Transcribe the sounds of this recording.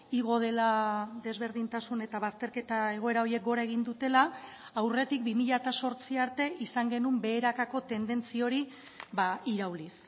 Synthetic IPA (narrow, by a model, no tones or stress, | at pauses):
iɣ̞o̞ð̞e̞laðe̞zβ̞e̞ɾðint̪asune̞t̪aβast̪e̞ɾke̞t̪ae̞ɣ̞o̞e̞ɾao̞ɾie̞k̚ɡo̞ɾaeɣ̞ind̪ut̪e̞laː | wre̞t̪ik̚bimiʎat̪aso̞ɾt͡siaɾt̪e̞ʔisaŋɡe̞numbe̞ːɾakako̞t̪e̞nd̪e̞nt͡sio̞ɾi | βaiɾawlis